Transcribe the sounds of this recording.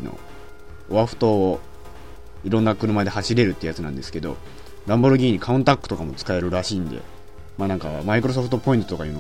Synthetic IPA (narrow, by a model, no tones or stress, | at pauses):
no̰ | oβaɸɯ̟̥t̪o̞ːo | iɾõ̞nːakɯ̟ɾɯ̟mad̪e̞haɕiɾe̞ɾɯ̟t̪ːeiɯ̟jat͡sɨnã̰nd̪e̞sɨ̥ked̪o̞̰ | ɾãmboɾoɡʲiːɲ̟ikʰaɯ̟̃nt̪akːɯ̥t̪o̞kamo̞t͡sɨ̥kae̞ɾɯ̟ɾaɕiːnd̪e̞̰ | maːnãŋka̰maikɯ̟ɾo̞s̬o̞ɸɯ̟̥t̪opo̞ĩnt̪o̞t̪okaiːn